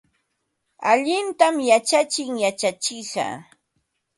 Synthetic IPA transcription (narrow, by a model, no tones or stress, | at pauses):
aʎɪnt̪amjat͡ʃat͡ʃɪŋjat͡ʃat͡ʃɪʃɑ̰